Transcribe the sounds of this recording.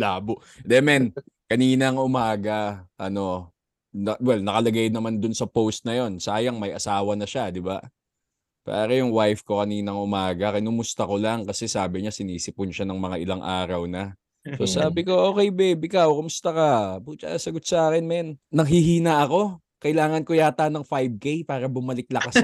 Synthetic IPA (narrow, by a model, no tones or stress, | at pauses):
laːbʊ | d̪ɛmɛnkɐniːnɐŋʔʊmaːɡɐʔɐno̞ | nɐwɛlnɐkɐlɐɡajnɐmand̪ʊnsɐpowst̪̚nɐjo̞nsaːjɐŋmɐjʔɐsaːwɐnɐʃad̪ɪba | pa̰ːɾɐjʊŋwajfko̞kɐniːnɐŋʔʊmaːɡɐkɐnʊmʊst̪ɐko̞laŋkɐsɛsaːbɪɲasɪniːsɪp̚ʊnʃanɐŋmɐŋaʔɪlaŋʔaːɾɐwnɐ | so̞saːbɪko̞ʔo̞ːkɛjbɛbɪkawkʊmʊst̪ɐkɐpʊɡ̚t͡ʃɐkasɐɡot̪̚sɐʔaːkɛnmɛnːɐŋɦɪɦiːnɐʔɐko̞ | kɐʔɪlaːŋɐnko̞jaːt̪anɐŋfajb̚kejpaːɾɐbʊmɐlɪk̚lɐkas